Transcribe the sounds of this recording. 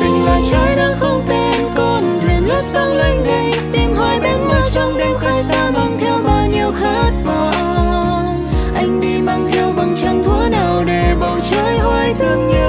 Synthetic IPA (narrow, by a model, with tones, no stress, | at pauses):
vi˨˩ŋvaː˨˩t͡ɕəː˧jɗaː˧˥xə˧wŋ͡mt̪e˧˩nko˧nt̪ʰe˨˩nlʊ˦˥k̚zə˧˦wŋ͡mla˧jŋ̟ɗa˧˩jt̪i˨˩mɦa˧jɓe˧nma˧˥˦wt͡ɕɔ˧wŋ͡mli˧mxa˧˦jsaː˧ma˧ŋt̪ʰɛ˧wɓaː˧˩wɲi˧əwxaː˦˥t̚vaː˨˩˧ | ʔa˧jŋ̟ɗi˧ma˧ŋt̪ʰɛ˧wvə˨˩nt͡ɕa˧ŋ͡mt̪ʰu˨˧˦ənə˨˩wɗe˨˩ɓə˨˩wt͡ɕəː˧˥jhɔ˧jt̪ʰɨ˧əŋɲɨ˧